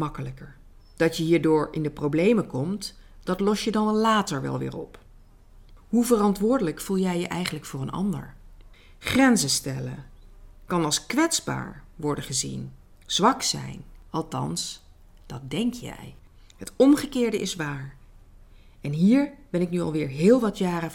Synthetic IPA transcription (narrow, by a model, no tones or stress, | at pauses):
mɑkələkəɹ | d̥ɑtjəɦiːɹdʊːɹɪ̰ndəprowblejməkɔmtd̥ɑtlɔsjədɑnlaːtəɹʋɛ̰lˠʋɪ̰ːɹɔ̰p | ɦuvərɑntʋʊːɹdələkfulˠjɛjəʔɛjχənləkfʊːrənʔɑ̰ndə̰ɹ | χrɛnzəstɛlə̰kɑnɑlˠskʋɛtsba̰ːɹʋɔɹdəχəzḭn | z̥ʋɑksɛ̰jnɑlˠtɑ̰ns | d̥ɑt̚dɛŋkjɛ̰j | ɦətɔmχəkɪːɹdəʔɪsʋaːɹ | ɛnɦiːɹb̥ɛnɪknyɑ̰lˠʋɪːɹɦɪːlˠʋɑtjaːrə